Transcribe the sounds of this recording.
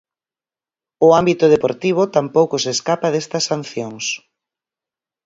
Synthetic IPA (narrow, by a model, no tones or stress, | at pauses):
ʊambit̪ʊð̞epoɾt̪iβ̞ʊt̪ampowkʊseskapɐðest̪ɐsːan̟θjoŋs